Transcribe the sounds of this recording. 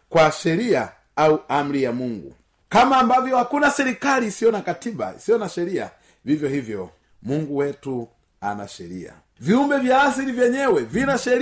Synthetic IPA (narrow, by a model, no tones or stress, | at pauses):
kwaʃɛɾia | auam̩ɾijamuŋɡṵ | kamaːmbavjɔhakunasɛɾikaliːsijɔnakatiba̰ḭsijɔnaʃɛɾia̰ | vivjɔhivjɔ | muŋɡuwɛtu | a̰na̰ʃɛɾḭa̰ | viumbɛvjaːs̬iɾivjɛɲɛwɛvinaʃɛɾ